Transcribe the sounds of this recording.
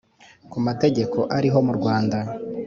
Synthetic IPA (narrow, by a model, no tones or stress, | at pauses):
kumate̞ɟe̞ko̞ʔaɾiɦo̞muɾɡwaːnda